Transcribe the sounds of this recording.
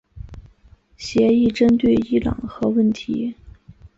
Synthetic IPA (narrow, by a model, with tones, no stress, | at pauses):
ɕjɛ˧˥i˥˩ʈ͡ʂə˥nt̪we˥˩ɪi˥lɑ̰˨˩ŋxɤ˧˥wə˥˩nt̪ʰḭ˧˥